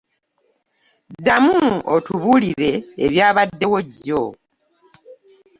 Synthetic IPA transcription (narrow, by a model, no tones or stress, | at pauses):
damuotuβuliɾe̞ːβjaːβadːe̞wo̞ɟːo